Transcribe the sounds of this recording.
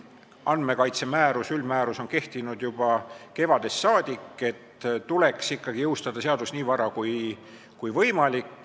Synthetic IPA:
ɑnme̞kɑjt̪se̞mæːɾusylmæːɾuso̞nke̞ht̪inud̪jub̥ɑke̞vɑd̪̥e̞sːɑːd̪̥ikːˑe̞t̪ːuleksikːɑɡ̥ijɤuwst̪ɑd̪̥ɑseɑd̪̥usniːvɑɾɑkuj | kujvɤjmɑlikːˑ

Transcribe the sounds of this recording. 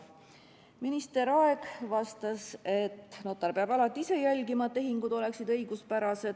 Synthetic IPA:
minist̪e̞ɾɑe̞ɡ̥vɑst̪ɑse̞t̪ːno̞t̪ːˑɑrpeɑbɑlɑt̪ːˑiise̞jælʲɡimɑt̪ːe̞ɦiŋɡud̪o̞le̞ksid̪ɤ̞jɡ̥uspæɾɑse̞d̪̥

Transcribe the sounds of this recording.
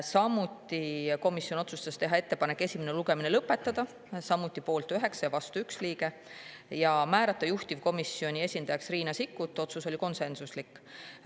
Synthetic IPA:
sɑmut̪ːˑiko̞misːjo̞no̞t̪sust̪ɑst̪e̞ɦɑe̞t̪ːe̞pɑnekːˑe̞sʲimeneluɡe̞mine̞lɤpːˑe̞t̪ːˑɑd̪̥ɑ | sɑmut̪ˑːipo̞ːlt̪ˑyɦe̞ksɑjɑvɑst̪uyksliːɡ̥e̞ | jɑmæːɾɑt̪ːˑɑjuht̪ivko̞misːio̞nʲie̞sʲind̪̥ɑjɑksriːnɑsikːut̪ːˑo̞t̪suso̞liko̞nse̞nsuslikːˑ

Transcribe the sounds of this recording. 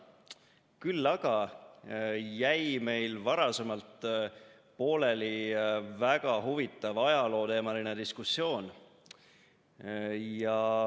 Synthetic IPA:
kylːɑɡ̥ɑ | jæjme̞jlvɑɾɑse̞mɑlt̪ | po̞ːle̞livæɡ̥ɑɦuvit̪ˑːɑvɑjɑlo̞ːt̪e̞ːmɑline̞d̪iskusjo̞ːn | jɑ

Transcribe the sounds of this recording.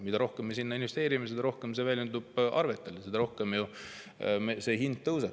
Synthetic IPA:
mid̪ɑɾo̞hkemːesinːɑinvest̪e̞ːɾimesed̪ɑɾo̞hkemsevæːlʲjynd̪ub̥ʔɑ̰rve̞t̪ːˑelesed̪̥ɑɾo̞hkemju | mese̞ːɦind̪̥̚t̪ɤwse

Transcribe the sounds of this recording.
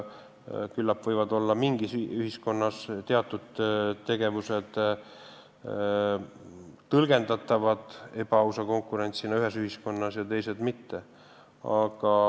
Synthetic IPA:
kylːɑpːvɤjvɑd̪o̞lːɑmiŋɡ̥isyhisko̞nːɑst̪e̞ɑt̪ːˑud̪̥t̪ːe̞ɡ̥e̞vuse̞d̪̥ | t̪ɤlɡ̥e̞nd̪ɑt̪ːˑɑvɑd̪̥e̞pɑusɑko̞ŋkːˑuɾe̞nʲt̪sinɑyɦe̞syhisko̞nːɑsjɑt̪e̞jse̞d̪mit̪ːe̞ | ɑɡ̥ɑ

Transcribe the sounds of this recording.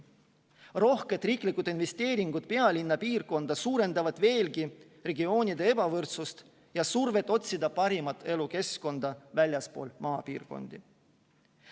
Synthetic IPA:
ro̞hke̞t̪ːˑriːklikːˑud̪̥inve̞st̪e̞ːɾiŋɡ̥ut̪̚pe̞ɑlʲinːɑpiːrko̞nd̪ɑsuːɾe̞nd̪ɑvɑd̪̥ve̞ːlɡi | re̞ɡio̞ːnʲid̪e̞e̞b̥ɑvɤrt̪sust̪ | jɑsurve̞t̪ːˑo̞t̪ʲsid̪̥ɑpɑɾimɑt̪ːˑe̞luke̞sko̞nd̪̥ɑvælʲjɑspo̞ːlmɑːpiːrko̞̰nd̪̥i

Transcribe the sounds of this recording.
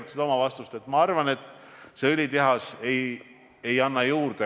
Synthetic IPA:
t̪sid̪ɑo̞mɑvɑst̪ust̪et̪ːˑmɑɑrvɑne̞t̪ˑː | seølʲit̪eɦɑse̞j | e̞jɑnːɑjuːrd̪e

